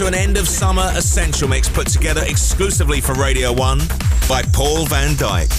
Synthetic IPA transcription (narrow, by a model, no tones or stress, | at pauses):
təə̃nɛ̃ndəv̥sʌmə˞ʔɪsɛ̃nʃəlˠmɪkspʰʊtʰəɡɛðəɹɪksklʉˑsɪvlifəɹeɪɾiəʊwʌ̃n | b̥aɪpʰɔːlˠvæ̃nda̰ɪk